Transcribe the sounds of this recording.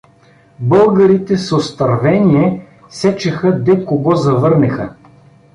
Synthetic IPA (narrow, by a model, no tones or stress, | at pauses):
bɤlˠɡəɾit̪ɛsost̪ɐɾvɛnʲiɛ | sɛt͡ʃɐxəd̪ɛkoɡɔzɐvɤɾnɛxə̰